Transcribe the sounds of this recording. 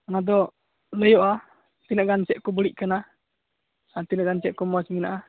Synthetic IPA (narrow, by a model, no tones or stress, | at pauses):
nad̪ɔ | ləjɔʔa | t̪inəʔɡant͡ʃɛʔkubuliʔkana | at̪inaʔɡant͡ʃɛʔkumɔasminaʔa